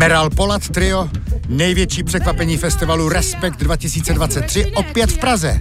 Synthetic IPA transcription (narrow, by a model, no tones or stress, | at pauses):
mɛɾalpo̞lat̪ːɾɪonɛjvjɛt͡ʃiːpr̥ɛkvapɛɲiːfɛst̪ɪvaluɾɛspɛk̚t̪dvacɪsiːt͡sɛdvat͡sɛt̪̚ːr̝̥ɪʔopjɛt̪fpɾazɛ